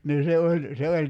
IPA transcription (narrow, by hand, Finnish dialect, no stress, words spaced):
niː se olʲ se olʲ